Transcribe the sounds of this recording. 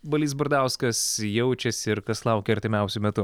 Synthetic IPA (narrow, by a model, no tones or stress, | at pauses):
bɐlʲiːs̬bʊɾd̪ɑˑʊskɐsjɛʊt͡ʃʲɛsɪɾkɐslˠɐʊkʲɛɐɾʲt̪ʲɪmʲɛˑʊsʲʊmʲɛt̪ʊ